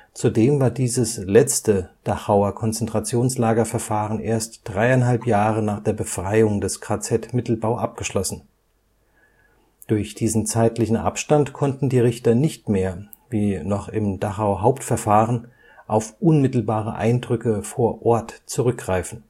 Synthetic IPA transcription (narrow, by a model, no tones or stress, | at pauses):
t͡sudeːmvaːɐdiːzəslɛt͡stəd̥aχaʊɐkʰɔnt͡sɛntʁ̥at͡sjoːnslaːɡɐfɛɐfaːʁənʔeːɐstd̥ʁaɪaɪnɦalpjaːʁənaːχd̥eːɐbəfʁ̥aɪʊŋdɛskʰʁ̥at͡sɛtmɪtl̩baʊʔap̚ɡ̥əʃlɔsn̩ | d̥ʊɐçd̥iːzn̩t͡saɪtlɪçn̩ʔa̰pʃtantkʰɔntn̩diːʁɪçtɐnɪçtmeːɐ | viːnɔχɪmd̥aχaʊɐɦaʊptfɛɐfaːʁən | ʔaʊfʔʊnmɪtl̩baːʁəʔa̰ɪndʁʏkəfoːɐʔɔɐtt͡suʁʏk̚ɡ̥ʁaɪfn̩